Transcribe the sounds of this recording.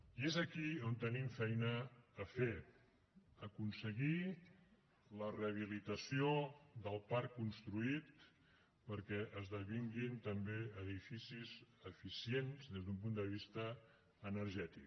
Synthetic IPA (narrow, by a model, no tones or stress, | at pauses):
iezəkiont̪ənimfɛjnəːfe | əkunsəɣi | ləreəβ̞ilit̪əsioðəlˠpaɾkːunst̪ɾuit̪ | pəɾkɛʔəzðəβiŋɡint̪əmbeəðifisizəfisienzðezðump̬und̪əβ̞ist̪əː | nəɾʒɛt̪i